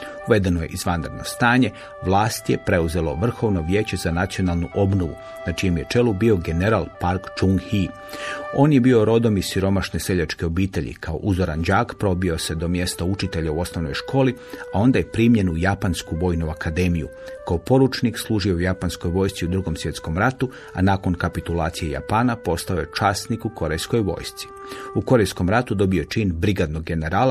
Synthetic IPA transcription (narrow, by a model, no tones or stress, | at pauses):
uʋe̞d̪e̞noje̞̰ʔizʋand̪ɾd̪no̞̰st̪aːɲe̞ | ʋlˠaːst̪je̞pɾe̞uze̞lo̞ʋr̩xo̞ʋno̞ʋje̞ːt͡ɕe̞zanat̪sio̞nalˠnuʔo̞bnoʋṵ | nat͡ʃijemje̞t͡ʃe̞lubio̞ɡe̞ne̞ɾalˠpaɾkt͡ʃuŋɡhi | o̞ːnjebio̞ɾo̞d̪o̞misiɾo̞maʃnese̞ʎat͡ʃkeo̞biːt̪e̞ʎḭkʰao̞̰ʔuzoɾand͡ʒaːkpɾo̞bio̞se̞d̪o̞mje̞st̪aut͡ʃit̪e̞ʎauo̞sno̞ʋno̞jʃko̞ːli | ao̞nd̪ajepɾimʎe̞nujapanskuʋo̞ːjnuakʰad̪e̞ːmijṵ | kaopo̞ɾut͡ʃnikslˠuːʒijo̞ujapansko̞jʋo̞ːjst̪siud̪ɾuɡo̞msʋje̞t̪sko̞mɾat̪u | a̰naːko̞nkapit̪ulˠaːt̪sijeja̰paːnapo̞st̪ao̞je̞t͡ʃaːst̪nikukʰo̞ɾejsko̞jʋo̞̰ːjst̪si̥ | uko̞ɾejsko̞mɾat̪ud̪o̞bio̞t͡ʃiːnbɾiɡad̪no̞ɡɡe̞ne̞ɾaːla